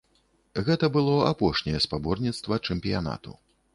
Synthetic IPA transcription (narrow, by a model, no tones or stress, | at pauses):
ɣɛt̪ɐbɨlˠɔa̰pɔʂnʲɛjɛspabɔrnʲit̪st̪vɐt͡ʂɛmpʲijana̰t̪ṵ